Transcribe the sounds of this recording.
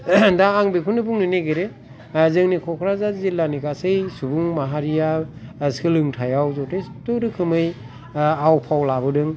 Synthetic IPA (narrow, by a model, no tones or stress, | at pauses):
daːŋbekʰunɯbuŋnɯneɡeɾe | zɯŋnikʰɔkʰɾazazilːanikʰasɯjsubuŋmaɦaɾijasɯlɯŋtʰajawzɔtʰɯjtɯɾɯkʰɯmɯj | awpʰawlabɯdɯŋ